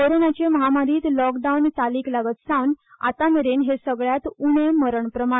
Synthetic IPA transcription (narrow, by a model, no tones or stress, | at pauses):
koɾonat͡ɕeməɦamaɾiːt̪lɔkɖaunt̪aliːklaɡət̪sãʋn | a̰t̪ameɾenɦesəɡɭjat̪uɳeməɾəɳpɾəma